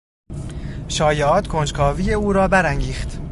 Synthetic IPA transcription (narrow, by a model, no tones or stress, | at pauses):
ʃɒːjeɒːt̪ʰkʰond͡ʒkʰɒːviːjeuːɾɒːbæɾæŋɡiːxt̪